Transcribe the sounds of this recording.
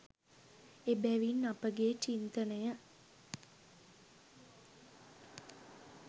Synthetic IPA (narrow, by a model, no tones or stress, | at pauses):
ebæʋinːapəɡeːt͡ʃint̪ənəjə